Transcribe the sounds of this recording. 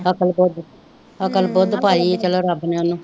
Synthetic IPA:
əkəlbod̪ | əkəlbod̪paːiːt͡ʃəloːɾəbneːənũː

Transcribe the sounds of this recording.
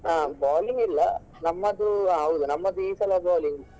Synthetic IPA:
ãːboːlɪŋɡɪlːɐ | nɐmːɐd̪ɯãɐʋɯðɯnɐmːɐd̪iːsɐlɐboːlɪŋɡ

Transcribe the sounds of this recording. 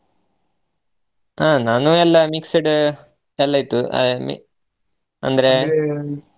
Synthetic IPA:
aːnaːnuɛlːɐmiksiɖɨ | ɛlːɐjt̪ːuɐ̰mḭ | ɐ̰nd̪ɐɾe

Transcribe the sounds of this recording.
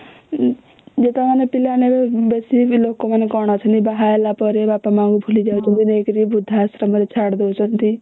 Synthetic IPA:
d͡ʒet̪amanepilanebebesibilokomanekɔɽ̃at͡ʃʰənt̪ibaɦaelapɔɾebaːpamãŋɡubʱulid͡ʒaːut͡ʃʰənt̪inekɾibud̪ʱːasɾəməɾet͡ʃʰaɽd̪ewt͡ʃʰənt̪i

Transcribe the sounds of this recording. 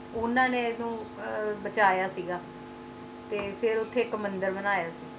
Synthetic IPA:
ʊnãːnẽːnũːbət͡ʃaːjaːsiːɡaː | t̪eːpʰɪɾʊt̪ʰːeːkəmənd̪əɾbənaːjaːsiː

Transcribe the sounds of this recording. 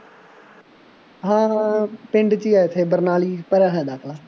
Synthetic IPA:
ɦãːpɪ̃ɳɖt͡ʃiːaːɪt̪ʰːeːbəɾnaːliːpəɾɛːɦɛ̃ːd̪aːkʰlaː

